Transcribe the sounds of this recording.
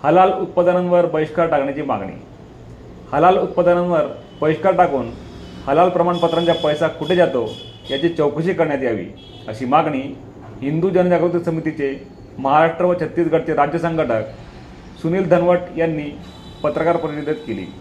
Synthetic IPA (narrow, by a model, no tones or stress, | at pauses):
həlalut̪̚pad̪ananʋəɾbəʋiɕkaɾʈakɳjat͡ɕiːma̰ɡɳḭː | həlalut̪̚pad̪ananʋəɾ | bəʋiʂkaɾʈakuːn | həlalpɾəmaɳpət̪ɾaɲt͡ɕjapəjsakʰuʈʰed͡ʑat̪o | jat͡ɕet͡ɕəwkuɕiːkəɾɳjat̪iaʋḭː | əɕiːmaɡɳiː | ɦind̪uːd͡ʑənəd͡ʑakɾut̪iksəmit̪it͡se | məɦaɾaʂʈɾəʋət͡ɕʰət̪jit̪ɡʱəʈ̚t͡seɾad͡ʑjəsəŋɡəʈək̚ | suniːld̪ʱənʋəʈjanːiː | pət̪ɾəkaɾpɾəiid̪ʱet̪kelḭː